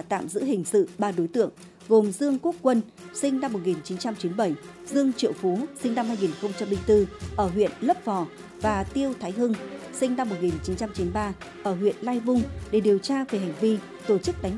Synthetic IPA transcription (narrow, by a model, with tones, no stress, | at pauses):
t̪a̰ː˧˨mzɨ̰˧˥ɦï˨˩ŋ̟sɨ̰˧˨ɓaː˧ɗo˨˦jt̪ɨ̰˧˨əŋ | ɣo˨˩mzɨ˧əŋku˦˥ək̚kːwə˧n | sï˧ŋ̟na˧mː˨˩t̚ŋi˨˩nt͡ɕi˨˦nt͡ɕa˧mt͡ɕi˨˦nɓə˧˩j | zɨ˧əŋt͡ɕḭ˧˨əwfu˨˦sï˧ŋ̟na˧mhaː˧jŋi˨˩nxə˧wŋ͡mt͡ɕa˧mɓï˧ŋ̟t̪ɨ˧ʔəː˧˩ɦwḭ˧˨ənlə˦˥p̚vɔ˨˩ | vaː˨˩t̪i˧əwt̪ʰaː˨˦jɦɨ˧ŋsï˧ŋ̟na˧mː˨˩t̚ŋi˨˩nt͡ɕi˨˦nt͡ɕa˧mt͡ɕi˨˦nɓaː˧ʔəː˧˩ɦwḭ˧˨ənlaː˧jvʊ˧ŋ͡mɗe˧˩ɗi˨˩əwt͡ɕaː˧ve˧˨˩ɦa˨˩jŋ̟vi˧ | t̪o˧˩t͡ɕɨ˦˥k̚ɗa˨˦j